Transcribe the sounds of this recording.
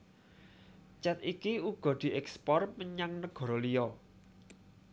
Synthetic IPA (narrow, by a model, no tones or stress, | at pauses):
t͡ʃɛt̪ikiuɡ̥ɔ̤d̪̥i̤ʔɛkspɔrməɲaŋnəɡ̥ɔ̤ɾɔlijɔ